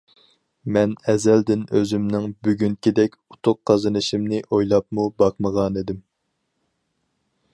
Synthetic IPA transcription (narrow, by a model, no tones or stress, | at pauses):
mɛnɛzɛld̪ɪnøzymnɪŋbyɡʲyŋkʲid̪ɛkʲut̪ʰʊqqʰːɑzɨnɨʃimnɪʔojlˠɑp̚mubɑqməʁɑned̪ɪm